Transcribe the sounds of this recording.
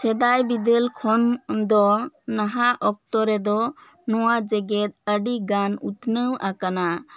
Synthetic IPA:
sɛd̪ajbid̪elkʰɔnd̪ɔnaɦaʔɔk̚t̪ɔɾɛd̪ɔ | nɔwad͡ʒɛɡɛt̪̚əɖiɡanut̪nəwakana

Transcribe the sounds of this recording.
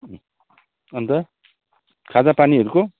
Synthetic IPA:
ʌnt̪ʌ | kʰad͡zapaniʌɾuko

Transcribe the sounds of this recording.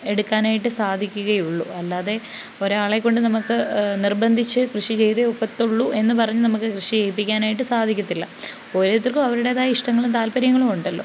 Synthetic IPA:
e̞ɽukːaːnaːjiʈːɨsaːd̪ʱikʲːuɣɐjuɭːuɐlːaːðe̞ | o̞ɾaːɭe̞kːo̞ɳɖɨnɐmukːɨnirbɐnd̪ʱit͡ɕːɨkrɨʂit͡ɕe̞jt̪eopːɐt̪ːuɭːue̞nːɨpɐrɐɲːunɐmukːɨkrɨʂiejpːikʲːaːnaːjiʈːɨsaːd̪ʱikʲːut̪ːilːɐ | oːɾet̪ːirkːɨmɐʋɐɾuɽe̞ːðaːjɐiʂʈɐŋːɐɭumt̪aːlpɐɾjɐŋːɐɭumuɳɖɐlːo̞̰ː

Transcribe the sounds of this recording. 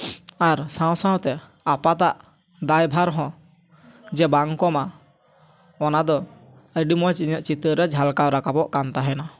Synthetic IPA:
aɾsãw̃sãw̃t̪ɛ | apat̪aʔ | d̪ajbʱaɾɦɔ̃ | d͡ʒɛbaŋkɔma | ɔnad̪ɔ | əɖimɔt͡ʃiɲəʔ̚t͡ʃit̪əɾɛd͡ʒʱalkawɾakapɔʔkant̪aɦɛna

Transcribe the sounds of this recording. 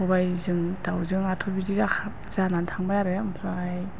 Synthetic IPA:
ɔbajzɯŋdawzɯŋatʰɔbiziza | z̥anantʰaŋbajaɾɯmpʰɾaj

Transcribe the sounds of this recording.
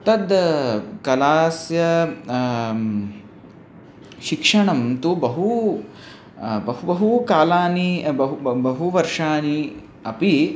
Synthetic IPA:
t̪ɐd̪kɐlaːsjɐ | ʃikʂɐɳɐmt̪ubɐɦu | bɐɦubɐɦukaːlaːnibɐɦubɐɦuʋɐɾʂaːni | ɐpi

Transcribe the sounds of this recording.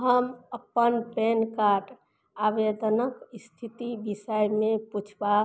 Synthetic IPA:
ɦəməpːənpɛnkaʈ | abed̪ənəkist̪ʰit̪ibisəjmeput͡ʃʰba

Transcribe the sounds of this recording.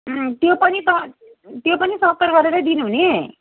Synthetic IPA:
t̪jopʌnit̪ʌ | t̪jopʌnisʌkʌɾɡʌɾeɾʌd̪inuɦune

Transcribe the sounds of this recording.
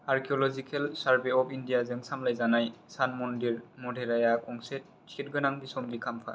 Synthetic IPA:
aɹkʰiɔlɔzikʰelsaɹbeɔpʰindijazɯŋsamlajzanajsanmɔndiɹmɔdʱeɾajakɔŋset̚ | t͡ʃʰitɡɯnaŋbisɔmbikʰampʰa̰

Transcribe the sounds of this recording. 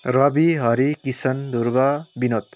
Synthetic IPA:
rʌbiɦʌɾikisʌnd̪ʱuɾbabinot̪

